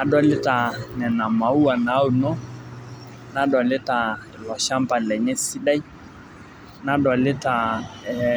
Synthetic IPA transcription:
na˨ɗɔ˦lɪ˦ta˨nɛ˨na˨ma˨u˦a˨na˨˦u˦nɔ˦ | na˦ɗɔ˨lɛ˦ta˨ɛ˨lɔ˨ʃa˦mba˨lɛ˨ɲɛ˦si˦ɗa˦i˦ | na˨ɗɔ˨lɛ˦ta˨ɛ

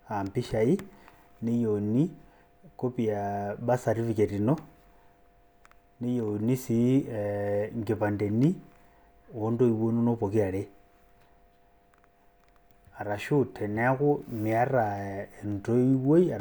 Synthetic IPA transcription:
a˨mpi˦ʃa˨i˦ | ne˦joni˦ | ko˦pi˨a˨ɓa˦sa˨ɾi˦fi˨ke˨ti˨no˦ | ne˦jo˨ni˦si˨ | ŋɡe˨pa˨nde˨ni˦ | o˦ndo˦i˨wo˦no˦no˦po˨ki˦a˨ɾe˦ | a˨ɾa˨ʃu˦tʰe˨nea˦ku˦mia˦ɾa˨e˨nto˦i˦wwo˦ia˨

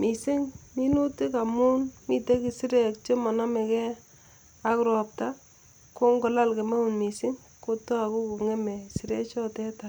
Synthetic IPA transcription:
mi˨si˦ŋmi˦nu˦ti˦ka˨mu˦nmi˨te˦ki˨si˦ɾe˨kt͡ʃe˦mɔ˨nɔ˦me˨kɛ˦ | a˦kɾɔ˨p̚ta | ko˦ŋɡo˨la˦lke˨me˦u˨nmi˨sɪ˦ŋ | ko˦tɔ˦a˨ku˦ku˨ŋe˦me˨si˨ɾḛ˦t͡ʃɔ˦tɛ˦ta˨

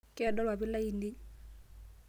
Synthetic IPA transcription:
kʼɪ˦ɛ˨dɔ˦lwa˨bɪ˦la˦i˨lɪ˦

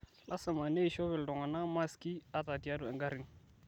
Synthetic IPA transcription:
lʔa˦sa˨ma˨ne˦i˨ʃɔ˦βɛ˨ldɔ˨ŋa˨na˦ma˦ski˦a˦ta˨di˨a˦du˨ɛ˨ŋɡa˦ɾi˨ŋ

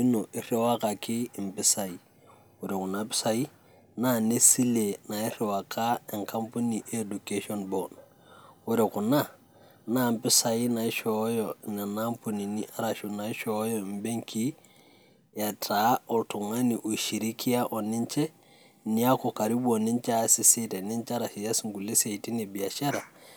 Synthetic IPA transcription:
i˦nɔ˨ʔi˦rɛ˦wa˦ka˨kɪ˦˨mpɪ˦sa˨i˨ | u˨ɾɔ˨ku˨na˨pɪ̥˦sa˦i˦ | na˦ne˦si˦le˨na˨i˦ɾɛ˨wa˨kʰa˦ɛ˨ŋka˦mpu˦ni˨ʔe˦du˨ke˦ʃɔ˦nbɔ˨na | u˦ɾɔ˨ku˨na˦˨ | na˦˨mpɪ˦sa˨i˦na˨i˦ʃɔ˦jɔ˨nɛ˨na˦mpu˨ni˨ni˦ʔa˦ɾa˨ʃu˨na˨˦ʃɔ˨˦jɔ˨mbe˦ŋkʰi˦ | ja˨tʰa˨˦ɔ˨tu˨ŋa˦ni˨ʔu˨ʃi˨ɾi˦kʰi˦a˦ʔɔ˨nɪ˦nt͡ʃɛ˦ | ni˦a˦kɔ˨ka˨ɾi˦bɔ˨ni˦nt͡ʃa˦sɪ˦se˦tɛ˨ni˦nt͡ʃa˦ɾa˨ʃi˨ja˦sŋɡu˨le˦se˨ti˦ne˨bi˨a˨ʃa˦ɾa˨

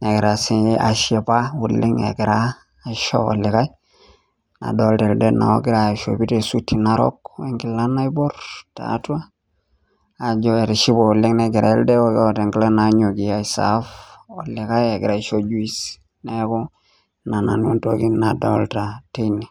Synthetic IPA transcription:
ne˨ɡɪ˨ɾa˨si˦a˨ʃe˨pa˦wu˨lːɪ˦ŋḛ˨ɡɪ˨ɾaː˦˨ | ʃo̰˦ɔ̰˨lɪ˨ka˦j | na̰˨do˦lta˨lde˦na̰˨o̰˦ɡɪ˦ɾa˨ʃo̰˨bi˦te˨su˦tːi˨na˨ɾɔ̰˦ke˦ŋɡɪ˨la˦na˦i˦bɔ˦rta̰˨˦twa˦ | a˨d͡ʒɔ˦e˨ɾi˨ʃi˦bo˨u˨lːɪ˦ŋne˨ɡɪ˨ɾa̰˨ɛ˦lde˦o˦kɔ˨te˨ŋɡle˦na˨ɲo˨ɡi˨a˦i˨sa̰˨˦fo˨lɪ˨ka˦jɛ˨ɡɪ˨ɾa˨˦ʃo˦d͡ʒu˦i˦s | nɛ˦kɔ˦ | na˨na̰˨n˦u˦nto˦ki˦na˨do˦lta˨te˦ni˨

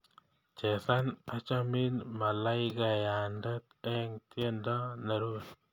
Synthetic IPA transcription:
t͡ʃɛ˨sa˦na˦t͡ʃa˦mi˦nma˨la˦ɪ˦ka˨ja˨ndɔ˦t̪ɛ˦ŋt̪jɛ˦ndɔ˦na˨ɾu˦t

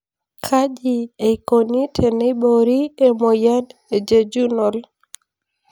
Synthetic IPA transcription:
kʰa˦d͡ʒi˨e˨ko˨ni˦tʰe˨ne˦ɓo˨ɾi˦e˦mo˨ja˦de˨d͡ʒe˨d͡ʒu˦no˨l

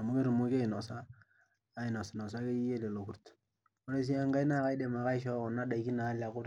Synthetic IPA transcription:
a˨mu˦ke˦ɾu˨mu˦ke˦˨nɔ˨saː˦ | ɪ˨nɔ˨sɪ˨nɔ˨s̬a˦ke˦je˦le˨lo˨ku˦ɾt | o˦ɾe˦s̬i˦a˦ŋɡa˦i˦na˦ka˦jde˨ma˨ka˦ɪ˦ʃɔ˦ɔ˨na˦da˨i˦ki˦naː˨˦la˨kʊ˦ɾ

